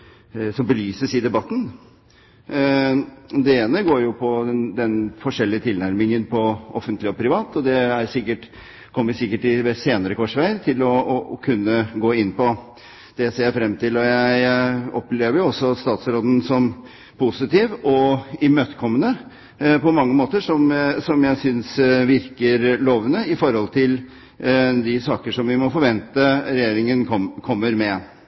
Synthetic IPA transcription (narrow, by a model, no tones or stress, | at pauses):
sɔmbəlyːsəsiːd̪ɛbɑt̪ːn̩ | d̪ɛeːnəɡoːɾjʊpʰɔɛnd̪ɛnfɔʂɛlːɪət̪ʰɪlnæɾmɪŋənpʰɔʔɔfənt̪lɪɔpʰɾɪʋɑːt̪ɔd̪ɛæɾsɪkːəʈ | kʰɔmːʋɪsɪkːəʈɪʋɛseːnəɾəkʰʋɔʂʋæɪəɾt̪ʰɪlɔɔkʰʉnːəɡoːɪnːpɔ | d̪̥ɛseːjæfɾɛmːt̪ɪlɔjæɪɔpleːʋəɾjʊɔsɔst̪ɑːt̪sɾoːd̪n̩sɔm | pʰusɪt̪iːʋʔɔɪmøːt̪əkʰɔmːənə | pɔmɑŋːəmoːt̪əʂɔmsɔmjæɪsʏnsʋɪɾkəɾloːʋənəɪfɔɾhɔlt̪ʰɪl | d̪ɪsɑːkəʂɔmʋɪmɔfɔɾʋɛnt̪əɾɛjeːɾɪŋənʰɔkʰɔmːəɾmɛ